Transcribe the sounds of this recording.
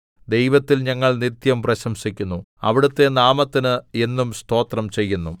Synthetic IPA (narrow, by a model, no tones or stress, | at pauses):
d̪e̞jʋɐt̪ːilɲɐŋːɐɭnit̪jɐmprɐɕɐmɕikʲːunːu | ɐ̰ʋiɽut̪ːe̞naːmɐt̪ːinɨe̞nːumst̪o̞ːt̪rɐmt͡ɕe̞jːunːu